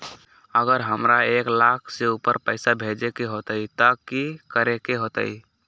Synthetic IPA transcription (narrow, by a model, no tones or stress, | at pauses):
əɡəɾɦəmɾaeklakʰseupəɾpəɪsabʱed͡ʒekeɦot̪əit̪akikəɾekeɦoːt̪ə̰i